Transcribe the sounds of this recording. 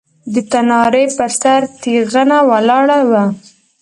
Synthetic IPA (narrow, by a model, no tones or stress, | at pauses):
d̪ət̪anɑɾepəɾsaɾt̪iɣanawalɑɽawa